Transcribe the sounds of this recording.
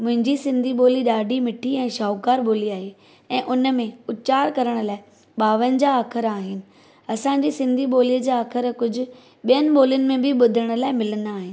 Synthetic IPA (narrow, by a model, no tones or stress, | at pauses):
mʊ̃ɦɪ̃ɲd͡ʑisɪ̃nd̪ʱiɓoːliɗaːɖʱimɪʈʰiɛ̃ːʃaːʊkaːɾɓoːliaːɦe | ɛ̃ːʔʊnmẽʊt͡ɕaːɾkɐɾəɽ̃ʊ̆laːɪ | ɓaːʋənɪ̆d͡ʑaːkʰəɾaːɦɪnɪ̆ | ɐsãːɲd͡ʑisɪ̃nd̪ʱiɓoːliəd͡ʑaːkʰəɾkʊd͡ʑʱʊ̆ | ɓijənɪ̆ɓoːliənɪ̆mẽbʱɪɓʊd̪ʱəɽ̃ʊ̆laːɪmɪlənd̪aːɦɪnɪ̆